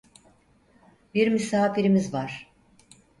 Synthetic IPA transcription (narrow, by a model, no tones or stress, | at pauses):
biɾmysaːfiɾimizvaɾ̥